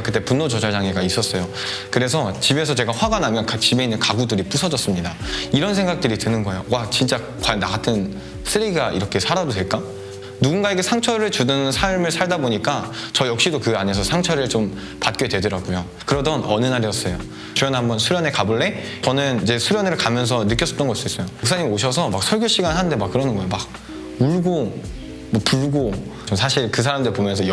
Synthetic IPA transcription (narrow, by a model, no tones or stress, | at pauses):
kɯt͈e̞punːot͡ɕʌd͡ʑad͡ʑaŋeɡais͈ʌs͈ʌjo | kɯɾe̞sʰʌt͡ɕibe̞sʰʌt͡ɕe̞ɡaɸwaɡanamjʌnkat͡ɕibe̞inːɯnkaɡudɯɾip͈usʰʌd͡ʑʌs͈ɯmɲidaiɾʌns̬ʰe̞ŋɡak̚t͈ɯɾitɯnɯnɡʌejoat͡ɕint͡ɕ͈a | kwajnaɡatʰɯn | sʰɯɾiɡaʔḭɾʌkʰe̞sʰaɾadodwe̞ɭk͈a | nuɡunɡaeɡesʰaŋt͡ɕʰʌɾɯɭt͡ɕudɯnsʰaɭmɯɭsʰaɭdaboɲik͈at͡ɕʌjʌk̚ɕ͈idokɯɡaɲe̞s̬ʰʌsʰaŋt͡ɕʰʌɾɯɭt͡ɕom | pat̚k͈edwe̞dɯɾaɡujo | kɯɾʌdʌnʌnɯnaɾijʌs͈ʌjo | t͡ɕujʌnnɦambʌnsʰuɾjʌnekabɯɭːe̞ | t͡ɕʌnɯnid͡ʑe̞sʰuɾjʌneɾɯɭkamjʌns̬ʰʌnɯk͈jʌs͈ʌ̥pt͈ʌŋɡʌis͈uis͈ʌjouks͈ʰaɲimoɕʰʌsʰʌmak̚sʰʌɭɡjoɕ͈iɡanɦanɯnde̞mak͈̚ːɯɾʌnɯnɡʌjomak̚ | uɭɡo | mʌpuɭɡo | t͡ɕomsʰaɕʰiɭkɯs̬ʰaɾamndɯɾɭipomjʌnsʰʌj